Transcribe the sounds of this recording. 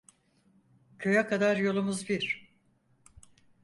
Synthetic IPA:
cʰøjakʰad̪aɾjo̞lˠumuzbiɾ̥

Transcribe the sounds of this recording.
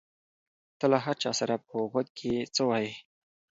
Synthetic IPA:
t̪əlaɦaɾt͡ʃɑ̰saɾapəɣad̪̚kʰet͡səwɑji

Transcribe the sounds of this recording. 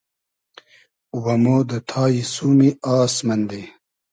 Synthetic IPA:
wɐmoːd̪ət̪ʰaːjisumiaːsmɐnd̪e

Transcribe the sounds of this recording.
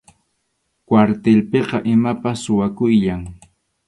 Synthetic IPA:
kwaɾt̪elpeqɑʔɪmapasːʊwakʊjʎaŋ

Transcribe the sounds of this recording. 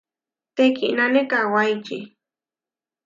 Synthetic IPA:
t̪ekḭʔnanekawajt͡ʃḭ

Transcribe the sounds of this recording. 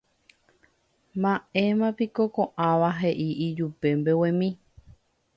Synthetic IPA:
mãẽmãpikokõʔãʋaɦe̞ʔiʔid͡ʒupe̞mbewẽmĩ

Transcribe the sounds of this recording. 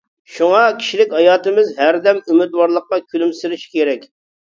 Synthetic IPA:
ʃuŋɑkʲʰi̥ʃilɪkʲhɑjɑːt̪ɨmɪzɦæɾd̪ɛmymɪt̪wɑɾlˠəqːɑkʲʰylymsiɾɪʃi̥kʲeɾɛkʲ

